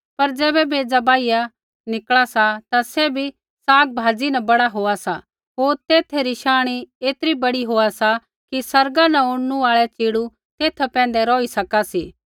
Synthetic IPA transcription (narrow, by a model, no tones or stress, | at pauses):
pɐɾd͡ʒɛːbɛbeːd͡ʒabaːija | nɪkɭasat̪asɛbʱi | saːɡ̚bʱaːd͡ʒinɐbɐɽaɦoːasa | ɦoːɾt̪eːt̪ʰeɾiʃaːɽ̃ieːt̪ɾibɐɽiɦoːasa | kisɐɾɡanɐʊɽnuaːɭɛt͡ʃeːɽu | t̪eːt̪ʰpɛ̃ːn̆d̪ɛɾɔːisɐkasiː